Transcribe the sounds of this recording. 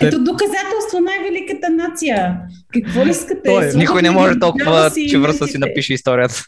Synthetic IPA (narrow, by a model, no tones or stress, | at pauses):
ɛt̪od̪okɐzat̪ɛlˠst̪vonajvɛlikət̪ənat̪sijə | kɐkvɔiskɐt̪ɛnikojnɛmɔʒɛt̪ɔlˠkʊvət͡ʃɛvɾəssinɐpiʃɛist̪ɔɾijət̪ə̥